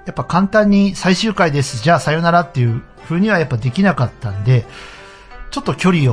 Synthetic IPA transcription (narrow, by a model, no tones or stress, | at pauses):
japːakãnt̪ãɲ̟ːisaiɕɨːkaid̪e̞sɨ̥d͡ʑaːsajo̞naɾat̪ːe̞jɯ̟ | ɸɯ̟ːɲ̟iβ̞ajapːad̪e̞kʲinakat̪ːãnd̪e̞ | t͡ɕo̞t̪ːo̞kʲo̞ɾʲio